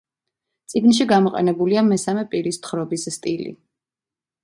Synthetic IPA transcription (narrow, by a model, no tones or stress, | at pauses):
t̪sʼiɡnʃ̬iɡamɔqʼɛ̰nɛbuliamɛsamɛpʼiɾist̪ʰχɾɔbisst̪ʼilḭ